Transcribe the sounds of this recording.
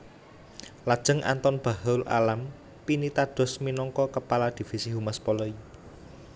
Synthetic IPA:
lad̥ʒ̥ə̤ŋʔa̰nt̪ɔnb̥a̤ɦɔla̰lam | pinit̪aɖ̥ɔ̤sminɔŋkɔkəpalad̪̥i̤fisiɦumaspɔlɔi

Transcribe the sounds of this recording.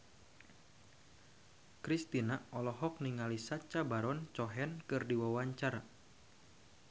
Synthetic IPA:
kɾist̪inaɔlɔɦɔk̚niŋalisat͡ʃabaɾɔnt͡ʃɔɦɛnkɨrdiwawaɲt͡ʃara

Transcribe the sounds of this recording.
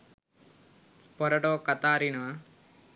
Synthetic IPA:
pɔɾɐʈoːkɐt̪aːɾinɐʋa

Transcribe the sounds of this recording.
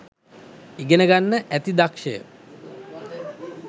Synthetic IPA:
iɡenəɡanːəʔæt̪id̪akʃəjə̰

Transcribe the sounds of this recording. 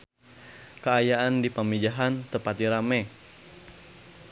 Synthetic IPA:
kəajaʔandipamid͡ʒaɦant̪əpat̪̚diɾamɛ

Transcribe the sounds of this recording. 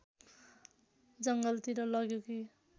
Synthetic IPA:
d͡zʌŋɡʌlt̪iɾʌlʌɡjoki

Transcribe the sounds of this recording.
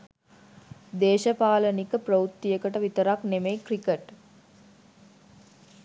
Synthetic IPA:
d̪eːʃɐpaːlɐnikəpɾɐut̪ːijɐkɐʈəʋit̪ɐɾaknemejkɾikeʈ

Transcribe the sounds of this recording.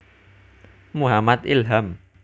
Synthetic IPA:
muɦamat̪̚ilɦam

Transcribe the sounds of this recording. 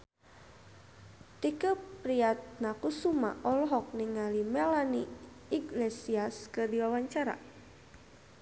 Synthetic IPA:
t̪ikəpɾiat̪̚nakusuma̰ʔɔlɔɦɔk̚niŋalimɛlaniː | ɡlesiaskɨrdiwawaɲt͡ʃaɾa̰

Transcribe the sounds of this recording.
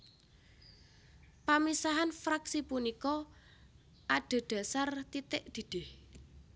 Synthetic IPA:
pamisaɦanfɾaksipunikɔ | ʔaɖ̥a̤ɖ̪̥a̤sart̪it̪ɪʔd̪̥i̤d̪̥eh

